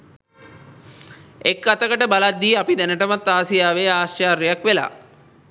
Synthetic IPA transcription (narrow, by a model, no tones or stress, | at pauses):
ekːat̪əkəʈəbalad̪ːiːapid̪ɛnəʈəmat̪ːaːsijaːʋeːaːʃt͡ʃaːɾjejakʋela̰ː